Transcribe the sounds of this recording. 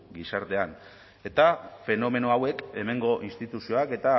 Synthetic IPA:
ɡisaɾt̪e̞an | e̞t̪afe̞no̞me̞no̞awe̞ke̞me̞ŋɡo̞ʔinst̪it̪usio̞ake̞t̪a

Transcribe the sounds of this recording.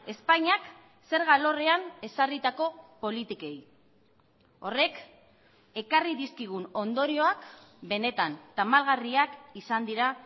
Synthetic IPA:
e̞spaɲak | se̞ɾɣalo̞re̞ane̞sarit̪ako̞po̞lit̪ike̞j | o̞̰re̞k | e̞kariðiskiɣ̞uno̞nd̪o̞ɾio̞akbe̞ne̞t̪ant̪amalɣariakisand̪iɾa

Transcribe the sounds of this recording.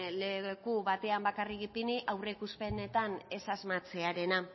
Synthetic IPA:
le̞kuβat̪e̞ambakarikipiniʔawreikuspe̞ne̞t̪ane̞sazmat͡se̞aɾe̞na

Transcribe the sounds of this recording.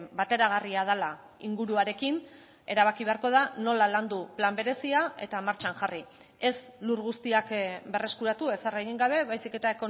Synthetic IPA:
bat̪e̞ɾaɣ̞ariað̞ala | iŋɡuɾuaɾe̞kin | e̞ɾaβ̞akiβe̞aɾko̞ð̞ano̞laland̪uplambe̞ɾe̞siae̞̰t̪amaɾt͡ʃaŋʝari | e̞sluɾɣust̪iakbe̞re̞skuɾat̪ue̞sareɣ̞iŋɡaβ̞e̞βajsike̞t̪ae̞ko̞

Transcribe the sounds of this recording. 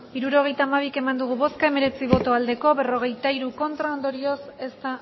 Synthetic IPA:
iɾuɾo̞ɣ̞e̞jt̪aːmaβ̞ike̞mand̪uɣuβo̞skae̞me̞ɾe̞t͡siβ̞o̞t̪o̞ald̪e̞ko̞βe̞ro̞ɣ̞e̞jt̪aiɾuko̞nt̪ɾao̞nd̪o̞ɾio̞se̞st̪a

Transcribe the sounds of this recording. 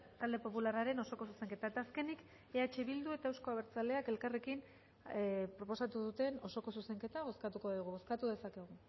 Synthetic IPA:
t̪ald̪e̞po̞pularaɾe̞no̞so̞ko̞s̬use̞ŋke̞t̪aet̪aːske̞nik | e̞at͡ʃe̞βild̪ue̞t̪aewsko̞aβeɾt͡sale̞ake̞lkare̞kin | pɾo̞po̞sat̪uðut̪e̞no̞so̞ko̞suse̞ŋke̞t̪aβo̞skat̪uko̞ðiɣ̞uβo̞skat̪uðe̞sake̞ɣ̞u

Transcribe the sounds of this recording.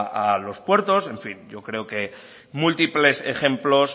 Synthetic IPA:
ʔalo̞spwe̞ɾt̪o̞se̞ɱfinɟ͡ʝo̞kɾe̞oke̞ | mult̪iple̞sḛxe̞mplo̞s

